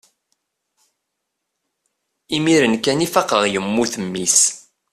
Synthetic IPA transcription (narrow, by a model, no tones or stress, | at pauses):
imiɾənkænifɑqəʁjəmːuθəmːis